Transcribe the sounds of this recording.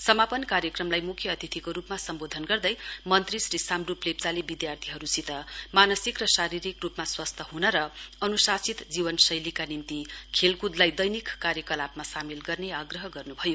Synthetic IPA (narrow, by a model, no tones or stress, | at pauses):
sʌmapʌnkaɾjʌkrʌmlajmukʰjʌːt̪it̪ʰikoɾupmasʌmbod̪ʱʌnɡʌrd̪ʌjmʌnt̪risrisamruplep̚t͡salebid̪jart̪ʰiɦʌɾusit̪ʌmanʌsikrʌsaɾiɾikrupmaswʌst̪ʰʌɦunʌɾʌʌnusasit̪d͡zibʌnsʌjlikanint̪ikʰelkud̪lajd̪ʌjnikːaɾjʌkʌlapmasamilɡʌrneaɡrʌɦʌɡʌrnubʱʌjo